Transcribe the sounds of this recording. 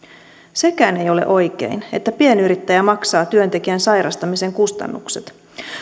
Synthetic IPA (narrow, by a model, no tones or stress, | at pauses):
se̞kæːne̞jo̞lḛʔo̞jk̟e̞̰ine̞t̪ːæpie̞nyɾit̪ːæjæmɑksɑːt̪yø̞nt̪e̞kiænsɑjɾɑst̪ɑmise̞ŋkust̪ɑ̰nːukse̞t̪